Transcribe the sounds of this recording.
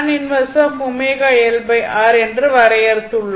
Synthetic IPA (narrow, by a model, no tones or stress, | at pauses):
nɪnʋɐsɐmʊmeːɣaɛlbɐɪʔaːɾɛndrɯʋɐɾɐjɐɾɯt̪ːɯɭːɐ